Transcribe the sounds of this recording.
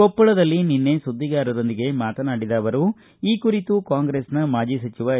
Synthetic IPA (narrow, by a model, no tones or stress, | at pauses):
kopːɐɭɐd̪ɐlːininːe̞sud̪ʱːiɡaːɾɐɾo̞nd̪iɡe̞maːt̪ɐnaːɽid̪aːʋɐɾu | iːkuɾit̪ukaːŋɡɾeːsnɐmaːd͡ʒisɐt͡ʃiʋaː